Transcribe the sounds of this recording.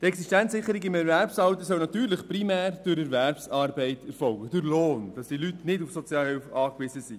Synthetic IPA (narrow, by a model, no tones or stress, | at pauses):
t̪ɛksiʃtɛnsɪχːəɾiɡɪmɛɾvæɾpsɑwt̪əsœwnɑt̪yːɾləχpɾimæːɾd̥ʊɾɛɾvæɾpsɑːɾbɛɪtʰɛɾfɔlɡəd̥ʊɾloːnd̥ɑsd̥ilytnɪdufsɔt͡sjɑːhɪlfɑːkʋɪzəsi